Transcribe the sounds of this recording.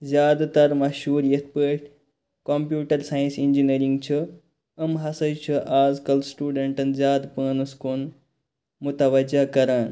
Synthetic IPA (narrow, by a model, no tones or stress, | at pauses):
zjaːd̪t̪ɐɾmɐʃɦuːɾjet̪̚ʰpəːʈ | kompjuːʈɐɾsaːjĩnsind͡ʒiniɾiŋɡt͡ʃʰə | ɐmɦɐsɐjt͡ʃʰuʔaːzkɐlsʈuːɖeɳʈɐnzʲaːd̪pəːnuskoːn | mut̪ɐʋɐd͡ʒɐkɐɾaːn